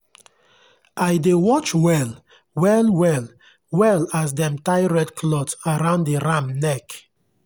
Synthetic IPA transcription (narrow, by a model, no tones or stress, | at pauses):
ʔajdewɔt͡ʃwɛl | wɛlwɛl | wɛlas̬dɛ̃mtaɪɹɛtkʰlɔtsaɹãʊ̃nddiɹãmnɛk